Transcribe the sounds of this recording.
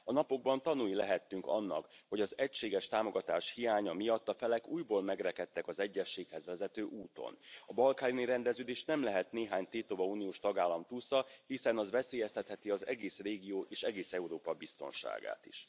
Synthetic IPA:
ɒnɒpo̞ɡ̚bɒnt̪ɒnujilɛɦɛt̪ːyŋkɒ̰nːɒ̰kho̞ɟɒzɛcʃeːɡɛʃt̪aːmo̞ɡɒt̪aːʃhijaːɲɒmijɒt̪ːɒfɛlɛkuːjboːlmɛɡrɛkɛt̪ːɛkɒzɛɟːɛʃːeːkhɛzʋɛzɛt̪øːʔuːt̪o̞̰nɒbɒlkaːjniɾɛnd̪ɛzøːd̪eːʃnɛmlɛɦɛt̪neːɦaːɲt̪eːt̪obɒuːnijoːʃt̪ɒɡaːlːɒmt̪usɒhisɛnɒzʋɛseːjɛst̪ʰɛt̪hɛt̪iɒzɛ̰ɡeːsreːɡijoːʔeːʃɛɡeːsɛuɾoːpɒbist̪o̞̰nʃa̰ːɡa̰ːt̪ḭʃ

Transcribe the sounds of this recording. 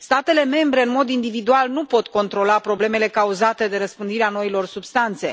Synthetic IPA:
st̪at̪e̞le̞me̞mbɾe̞ɨnmo̞d̪ind̪ivid̪ualnupo̞t̪ko̞nt̪ɾo̞lapɾo̞ble̞me̞le̞kauzat̪e̞d̪e̞ɾəspɨnd̪iɾeano̞ilo̞rsubst̪ant̪se̞

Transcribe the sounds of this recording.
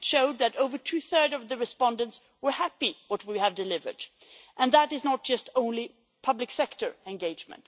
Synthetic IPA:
ʃoʊd̪̚ðɨɾoʊvə˞tʰʉθɜ˞dʌvðɨɹɨspɑ̃ndə̃nts | wəɹhæpiwʌt̚wiɨvdɨlɪvə̰˞d | ʔɨ̃nðəɾɨznət̚d̥ʒ̥ʌstõʊ̃nli | pʰʌblɨksɛktə˞ɛ̃nɡeɪd͡ʒmə̰̃nt

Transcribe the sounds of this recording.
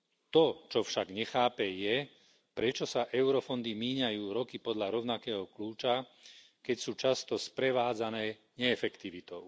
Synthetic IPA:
t̪ɔt͡ʃɔfʃaɡɲɛxaːpɛjɛ | pɾɛt͡ʃɔsaʔɛʊɾɔfɔnd̪imiːɲajuːɾɔkipɔd̪ʎaɾɔʊnakɛːɦɔkluːt͡ʃa | kɛcsuːt͡ʃast̪ɔspɾɛʋaːd͡zanɛː | ɲɛːfɛkt̪iʋit̪ɔʊ

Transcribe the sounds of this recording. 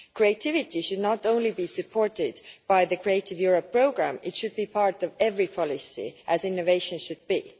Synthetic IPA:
kʰɹietʰɪvɪtiʃɨdⁿnətõʊ̃nlibisɨpʰoɹtɪdb̥aɪðɨkʰɹ̥ieɪtɪvjuɹəpʰːɹ̥oʊɡɹæ̃mɪtʃɨd̚bipʰɑɹtʌvɛvɹipʰɑlɪsḭʔæzɪ̃nːoveɪʃə̃nʃɨd̚b̥ḭ

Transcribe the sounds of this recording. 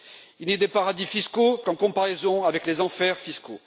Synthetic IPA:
iled̪epaʁad̪ifiskokɑ̃kɔ̃paʁezɔ̃avɛklezɑ̃fɛʁfisko

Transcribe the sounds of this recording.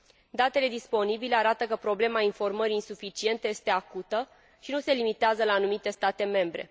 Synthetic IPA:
d̪at̪e̞le̞d̪ispo̞nibile̞aɾat̪əkəpɾo̞ble̞mainfo̞rməɾiːnsufit͡ʃie̞nt̪eje̞st̪e̞akut̪ə | ʃinuse̞limit̪eazəlaːnumit̪e̞st̪at̪e̞me̞mbɾe̞̰

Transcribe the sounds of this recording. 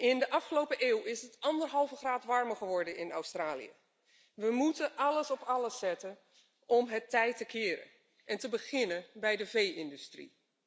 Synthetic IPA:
ɪndəʔɑfχəlowpəʔeːwɪsətɑndərɦɑlˠvəχraːtʋɑɹməɹχəʋɔɹdənɪna̰wstraːlḭə̰ | ʋəmutəʔɑləsɔpɑləsːɛtən | ɔmɦətɛjtəkʰɪːɾə̰ | ʔɛntəbəɣɪnənbɛjdəvejɪndystrḭ

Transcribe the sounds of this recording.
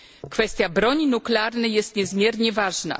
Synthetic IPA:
kfɛst̪ʲjabɾɔɲinuklɛaɾnɛjɛst̪ɲɛzmʲjɛɾɲɛvaʐna̰

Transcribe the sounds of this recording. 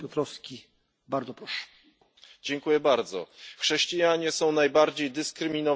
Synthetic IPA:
jɔt̪ɾɔfskʲi | baɾd̪zɔpɾɔʂɛ̥ | d͡ʑɛŋkujɛbaɾd̪zɔ̰xʂɛɕt͡ɕijaɲɛsɔ̃w̃najbaɾd͡ʑejd̪ɘskɾɘmʲinɔ

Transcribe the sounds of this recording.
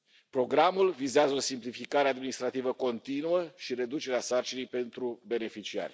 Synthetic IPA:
pɾo̞ɡɾamulvizeazəosimplifikaɾead̪minist̪ɾat̪ivəko̞nt̪inuəʃiɾe̞d̪ut͡ʃe̞ɾeasart͡ʃinijpe̞nt̪ɾube̞ne̞fit͡ʃia̰rʲ

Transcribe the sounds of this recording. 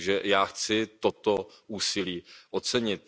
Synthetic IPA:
ʒɛjaːxt͡sɪt̪ot̪oʔuːsɪliːʔot͡sɛɲɪt̪̚

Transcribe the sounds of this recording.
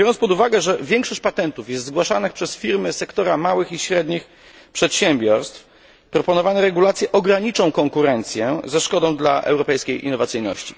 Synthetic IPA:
jɔɾɔnspɔd̪uvaɡɛʐɛvʲjɛŋkʂɔɕt͡ɕpat̪ɛnt̪ufjɛst̪zɡwaʂanɘxpʂɛsfʲiɾmɘsɛkt̪ɔɾamawɘxiɕɾɛd̪ɲix | pʂɛt̪ɕɛmbʲjɔɾst̪f | pɾɔpɔnɔvanɛɾɛɡulat̪sjɛʔɔɡɾaɲit͡ʂɔ̃w̃kɔŋkuɾɛnt̪sʲjɛzɛʂkɔd̪ɔ̃w̃d̪la̰ʔɛ̰wɾɔpɛjskʲejḭnːɔvat̪sɘjnɔ̰ɕt͡ɕi̥

